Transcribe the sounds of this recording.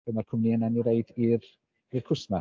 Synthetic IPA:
ənakʰʊmniənaniɾeɨdir | irkʰʊsma

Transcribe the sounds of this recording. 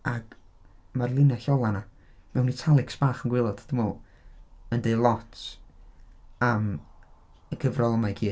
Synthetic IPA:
aɡ | marlˠɪnaɬɔlˠana | mɛwnitʰalˠɪksb̥aːχənɡwɪlˠɔd̥ad̥ɪmɔːlˠ | əndelˠɔtʰ | am | əɡʰəvrɔlˠəmajkʰiː

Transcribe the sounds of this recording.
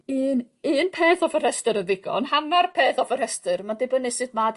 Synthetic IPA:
ɨːn | ɨːnpʰeːθɔvər̥hɛstɨɾənðɪɡ̥ɔ̰nhamarpʰeːθɔvər̥hɛstɨrmadɪbənɨsɨd̚mad

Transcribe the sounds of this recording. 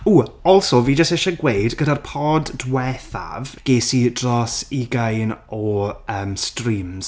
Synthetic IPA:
uːɔlˠsɔviːd͡ʒəsteʃəɡwejdɡədarpʰɔddwɛθa̰vɡ̥eːsidrɔsiɡajnɔəːmstriːmz̥

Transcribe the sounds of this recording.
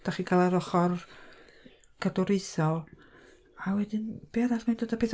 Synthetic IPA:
d̥aχiːkʰalˠaɾɔχɔr | ɡ̥adɔɾɪθɔlˠ | awɛdɪnb̥iaɾaɬmandodapeθ

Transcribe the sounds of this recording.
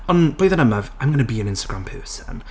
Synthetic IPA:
ə̃nb̥oɪðənəməvãɪ̃mɡənəbiə̃nɪ̃nstəɡɹãmpʰɜːˑsə̰̃n

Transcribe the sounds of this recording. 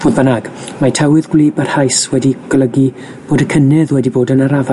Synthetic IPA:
b̥oːðbənaɡ̥ | matʰɛwɨðɡwliːbarhajswɛdiɡ̥lˠəɡi | b̥oːdəkʰənɪðwɛdiboːdənaɾava

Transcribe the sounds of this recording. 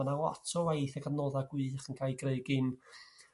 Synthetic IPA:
anawa̰tʰɔwajθaɡanɔːðaɡwɨːχənkʰajɡreɨɡɪn

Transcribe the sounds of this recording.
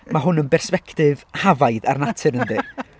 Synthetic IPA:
maɦʊnənbɛrspɛktɪvhavajða̰rnatʰɨɾəndi

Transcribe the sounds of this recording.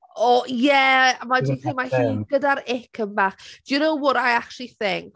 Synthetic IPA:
ɔjɛamadi̥imahiːnɡədaɾɪkʰəmbaːχd̥junowwʊɾajakʃiθɪŋk

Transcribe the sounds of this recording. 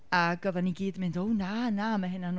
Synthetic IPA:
aɡ̥əvaniɡiːdmɪndownanamɛɦɪnan

